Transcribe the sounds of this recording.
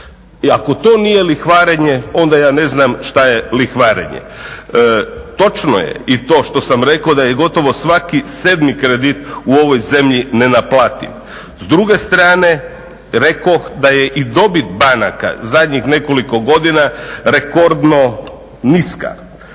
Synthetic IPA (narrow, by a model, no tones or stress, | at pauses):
iako̞t̪o̞ːnije̞lixʋaːɾeɲeo̞nd̪ajaːne̞znamʃt̪aje̞lixʋaɾḛɲḛ | t̪o̞t͡ʃno̰jḛit̪o̞ːʃt̪o̞samɾe̞kod̪ajeɡo̞t̪o̞ʋo̞sʋakise̞d̪mikɾed̪it̪uo̞ʋo̞jze̞mʎine̞naplˠaːt̪ḭm | zd̪ɾuɡe̞st̪ɾaːne̞ | ɾe̞koxd̪aje̞ʔid̪o̞bit̪bana̰ka̰zad̪ɲixne̞ko̞liko̞ɡo̞d̪inaɾe̞ko̞ɾd̪no̞ | niska̰